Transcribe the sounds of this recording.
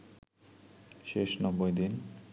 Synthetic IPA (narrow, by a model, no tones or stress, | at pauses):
ʃeʃnɔbojd̪in